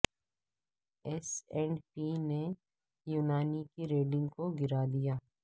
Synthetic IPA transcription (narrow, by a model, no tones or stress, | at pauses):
ɛsɛ̃ːɳɖpine | juːnaːnikiɾeːɖɪ̃ŋɡkoɡɪɾaːd̪ijaː